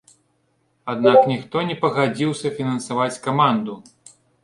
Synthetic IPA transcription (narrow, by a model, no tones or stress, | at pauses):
ad̪naknʲixt̪ɔnʲɛpɐɣad͡zʲiwsʲɐfʲinɐnsavat͡sʲkamand̪u